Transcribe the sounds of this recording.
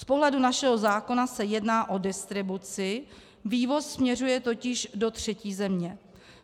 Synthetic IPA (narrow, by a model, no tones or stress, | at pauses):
spo̞ɦlɛdunaʃɛɦo̞zaːko̞nasɛjɛdnaːʔo̞dɪst̪ɾɪbut͡sɪ | viːvo̞sːmɲɛr̝ujɛt̪o̞cɪʒdo̞t̪r̝̥ɛciːzɛmɲɛ